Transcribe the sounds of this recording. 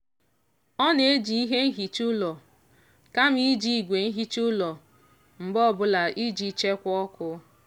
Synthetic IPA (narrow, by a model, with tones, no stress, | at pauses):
ɔ˦ne˨˦d͡ʒi˨i˦ɦe˦n̩˦ɦi˨t͡ʃʊ˦lɔ˨ | ka˦m̩˦i˦d͡ʒi˨i˨ɡʷe˨n̩˦ɦi˦t͡ʃʊ˦lɔ˨ | m̩˨bɔ˦˨bʊ˦la˨ʔi˦d͡ʒi˨t͡ʃe˦kʷɔ˦kʊ˦